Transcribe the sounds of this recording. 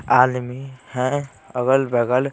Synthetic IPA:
aːd̪mihɛ̃ | əɡəlbəɡəl

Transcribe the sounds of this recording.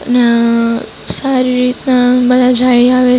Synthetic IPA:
əne | saɾiɾit̪nabəd̪ʱad͡ʒaiaʋe

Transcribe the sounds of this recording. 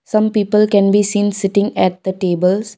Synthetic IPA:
sãmpiːpəlkɛ̃nbisĩːnsɪʈɪ̃ŋɛʈ̚d̪̥əʈeːbəls

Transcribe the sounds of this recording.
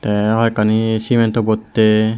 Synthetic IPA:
t̪eɦɔjkanisiment̪obot̪ːe

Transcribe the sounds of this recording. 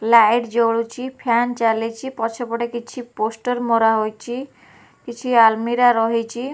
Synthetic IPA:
lajɖd͡ʒoɭut͡ʃʰipʰant͡ʃalet͡ʃʰipɔt͡ʃʰepɔʈekit͡ʃʰiposʈɔɾmɔɾaɦojt͡ʃʰi | kit͡ʃʰialmiɾaɾɔɦit͡ʃʰi

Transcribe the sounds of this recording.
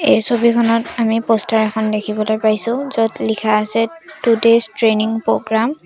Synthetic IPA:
ejsobikʰɔnɔtamipɔstʰaɹɛkʰɔndekʰibɔlojpaɹjsʊ̃zɔtlikʰaːsɛtudestɹeniŋpɹoɡɹam

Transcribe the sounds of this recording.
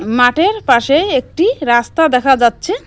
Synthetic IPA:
maʈeɾpaʃeek̚ʈiɾast̪ad̪ɛkʰad͡ʑatːɕʰe

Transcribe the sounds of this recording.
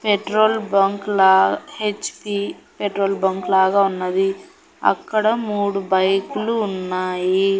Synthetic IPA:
peʈɾoːlbɐŋklaːhet͡ʃpipeʈɾoːlbɐŋklaːɡaːunːɐd̪i | ɐ̰kːɐɽɐmuːɽubɐjkuluːnːaːji

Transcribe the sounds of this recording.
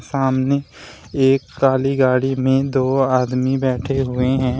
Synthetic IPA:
saːmne | eːkːaːliɡaːɽimẽd̪oːaːd̪mibɛːʈʰeɦʊeɦɛ̃ː

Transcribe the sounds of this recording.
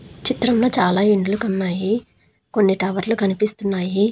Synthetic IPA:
t͡ʃit̪ɾɐmloːt͡ʃaːlaːiɳɖulukɐnːaːji | ko̞nːiʈɐːʋɐɾlukɐnipist̪unːaːji

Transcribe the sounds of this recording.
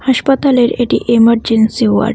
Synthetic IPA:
haʃpat̪aleɾeʈiʔemaɾd͡ʑensiwa̰ɖ

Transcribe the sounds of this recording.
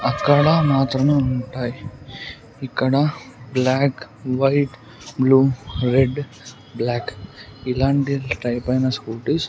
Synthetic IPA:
ɐkːɐɽɐmaːt̪ɾɐmeːuɳʈaːji | ikːɐɽɐblaːk | ʋɐjʈ | bluːɾeɖ | blaːkilaːɳʈiʈɐjpɐjnɐskuːʈis

